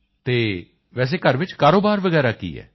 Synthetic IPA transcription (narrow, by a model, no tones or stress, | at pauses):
t̪eː | ʋɛːs̬eːkəɾʋɪt͡ʃkaːɾoːbaːɾʋəɡɛːɾaːkḭːɛ̰ː